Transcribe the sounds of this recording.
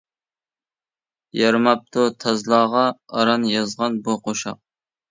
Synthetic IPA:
jɑɾmɑp̚t̪ʰʊt̪ʰɑzlˠɑːʁɑɑɾɑnjɑzʁɑnbuqʰoʃɑ̰q̚

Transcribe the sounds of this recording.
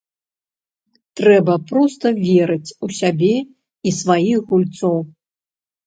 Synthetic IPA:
t̪ɾɛbɐpɾɔst̪ɐvʲɛɾɨt͡sʲusʲabʲɛ | isvajixɣulʲt̪sɔw

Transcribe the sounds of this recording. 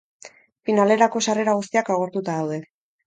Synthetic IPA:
finale̞ɾako̞sare̞ɾaɣ̞ust̪iakaɣ̞o̞ɾt̪ut̪aðawðe̞

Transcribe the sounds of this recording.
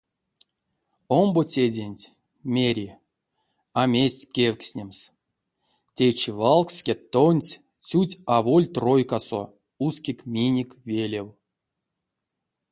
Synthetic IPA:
ombot͡sʲedʲenʲtʲ | mʲeɾʲi | amʲesʲtʲkʲewʲksʲnʲems | tʲet͡ʃivalˠkskʲet̪ːonʲsʲ | t͡sʲutʲavolʲt̪rojkaso̰ | uskʲikmʲenʲikvʲelʲew

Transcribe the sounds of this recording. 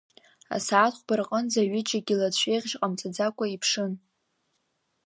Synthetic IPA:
a̰satχʷbarqʼənzaɥɪt͡ʃʼaɡʲilat͡ɕʷʰᶣejʁʲʒqʼamt͡sʼad͡zakʷʼaipʰʂɨn

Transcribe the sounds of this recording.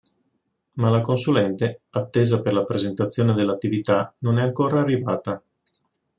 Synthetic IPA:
malakonsulɛnt̪eat̪ːeːzaperlapɾezent̪at̪sːjoːned̪elːat̪ːivit̪anonɛaŋkoːɾaːrːivaːt̪a

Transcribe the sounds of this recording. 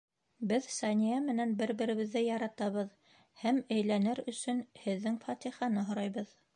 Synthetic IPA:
bɘðsɑnʲijæmɘ̆nænbɘɾbɘ̆ɾɘ̆βɘ̆ðːɘjɑɾɑt̪ɑβɤð | hæmæjlænɘɾɵ̆sɵnhɘ̆ðːɘŋfɑt̪ʲiχɑnɤɦŏɾɑjβɤð

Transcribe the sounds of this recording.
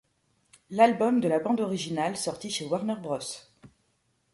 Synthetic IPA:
lalbɔmd̪əlabɑ̃d̪ɔʁiʒinalsɔʁt̪iʃewaʁnɛʁbʁɔs

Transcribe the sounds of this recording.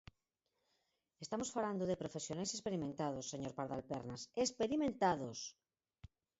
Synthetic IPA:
est̪amosfaland̪oðepɾofesjonajsespeɾimẽnt̪aðosːeɲoɾpaɾðalpeɾnasespeɾimẽnt̪aðos

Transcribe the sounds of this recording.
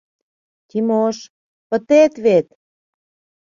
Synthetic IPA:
t̪ʲimoʃ | pə̆t̪et̪βet̪

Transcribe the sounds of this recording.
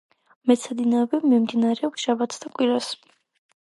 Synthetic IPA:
mɛt̪sʰad̪inaɔbɛbmimd̪inaɾɛɔpsʃabat̪ʰsd̪akʼwiɾas

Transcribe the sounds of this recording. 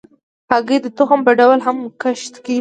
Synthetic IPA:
paɡed̪ət̪ʊxəmpəɖawlɦamkaʃt̪ki

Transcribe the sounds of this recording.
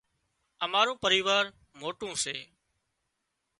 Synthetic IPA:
əmaːɾũːpəɾiːʋaːɾ | moːʈũːseː

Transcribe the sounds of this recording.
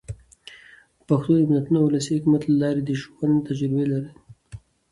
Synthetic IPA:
paxt̪oɪmnat̪unawlɑsihʊkmat̪lalɑɾed̪əʃwand̪t̪ad͡ʒɾɪbelaɾi

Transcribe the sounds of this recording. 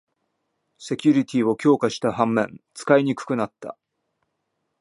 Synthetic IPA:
se̞kʲɯɾʲit̪ʲio̞kʲo̞ːkaɕi̥t̪ahãmːẽ̞nt͡sɨ̥kaiɲ̟ikɯ̟̥kɯ̟nat̪ːa̰

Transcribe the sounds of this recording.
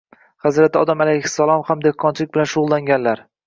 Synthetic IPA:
χazɾat̪ʰɪɒd̪amalajhɪ̥sːalˠɒmhamd̪ehkʰːɒnt͡ʃʰɪlɪk̚ʲbɪlanʃʊʁʊlˠːaŋɡʲanlaɾ

